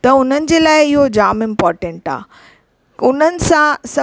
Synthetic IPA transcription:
t̪ɐʊn̤ənɪ̆d͡ʑeːlaːɪɪɦod͡ʑaːmɪ̃mpɔːɾʈẽɳʈa̰ː | ʊn̤ənɪ̆sãsɐ

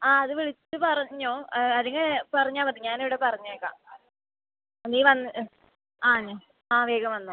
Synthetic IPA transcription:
aːɐðɨʋiɭit͡ɕːɨpɐrɐɲːoːɐðɐŋːɐɭpɐrɐɲːaːmpɐʈ̪ːɨɲaːneʋiɽepɐrɐɲːɐeːkːa̰ː | niːʋɐnː | aːɲːo | aːʋeːɡɐmʋɐnːoː

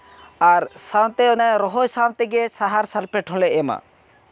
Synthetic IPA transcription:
aɾsawt̪eɔnaɾɔɦojsawt̪eɡesaɦaɾsalpeʈʰɔ̃leema̰

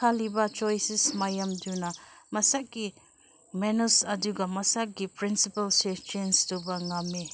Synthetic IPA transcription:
kʰalibɐt͡ʃɔjsismajɐmdunɐmɐsak̚ɡi | menusɐduɡɐmɐsak̚ɡipɾinsipɐlset͡ʃenstubɐŋame

